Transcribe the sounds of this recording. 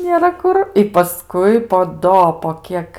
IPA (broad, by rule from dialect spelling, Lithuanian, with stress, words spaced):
nʲeːˈrɐ ˈkʊr ɪ pɐˈskʊɪ poː ˈdoː poː ˈkʲiɛk